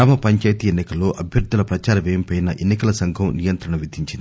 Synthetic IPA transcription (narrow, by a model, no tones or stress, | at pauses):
aːmɐpɐɲt͡ʃaːjt̪ienːikɐlːo̞ːʔɐbʱjɐɾd̪ʱːulɐpɾɐt͡ʃaːɾɐʋeːmipɐjnɐʔenːikɐlɐsɐŋɡʱɐmnijɐnt̪ɾɐɳɐʋid̪ʱiɲt͡ʃind̪i